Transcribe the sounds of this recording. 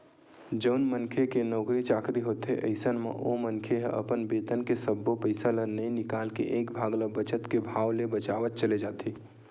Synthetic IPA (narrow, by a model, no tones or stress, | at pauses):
d͡ʒəʊnmənkʰekenɔːkɾit͡ʃaːkɾiɦoːt̪eʔɐɪsənmã̰ʔomənkʰeɦʔɐ̰pənbeːt̪ənkesəbːopəɪsalənɐĩnɪkaːlkeʔeːkbʱaːɡləbət͡ʃət̪kebʱaːʋlebɐt͡ʃaːʋət̪̚t͡ʃəled͡ʒaːt̪ʰiː